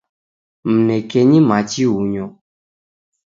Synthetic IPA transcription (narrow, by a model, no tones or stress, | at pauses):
m̩nɛkɛɲĩmãt͡ʃiwuɲɔ̃